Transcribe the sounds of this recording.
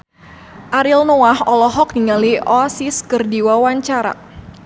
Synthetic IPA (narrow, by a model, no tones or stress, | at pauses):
ʔaɾilnoahɔlɔɦɔk̚niŋaliʔɔsiskərdiwawaɲt͡ʃaɾa̰